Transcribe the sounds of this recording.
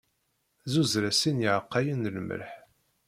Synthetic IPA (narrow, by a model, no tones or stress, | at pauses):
zuzɾæsinjiʕəqːajənlmə̰ɾħ